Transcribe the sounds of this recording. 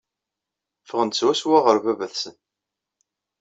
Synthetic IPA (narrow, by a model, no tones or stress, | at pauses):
fəʁənt̪swæswaʁəɾvævæθsən